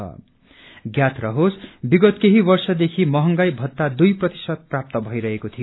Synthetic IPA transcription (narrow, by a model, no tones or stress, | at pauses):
ʌ̰ | ɡjat̪ʰrʌɦosbiɡʌt̪keɦibʌrsʌd̪ekʰimʌɦʌŋɡajbʱʌt̪ːad̪ujprʌt̪i̥sʌd̪̚prap̚t̪ʌbʱʌjɾʌɦekot̪ʰijo